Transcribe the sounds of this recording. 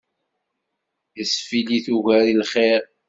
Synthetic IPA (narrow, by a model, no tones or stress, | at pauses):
isfiliθuʝæɾilχeɾ